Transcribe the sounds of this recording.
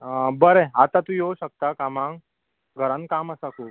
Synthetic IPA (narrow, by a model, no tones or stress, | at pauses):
bəɾeat̪at̪ũjoɕək̚t̪akamãŋɡ | ɡʱəɾankaməsakʰuːp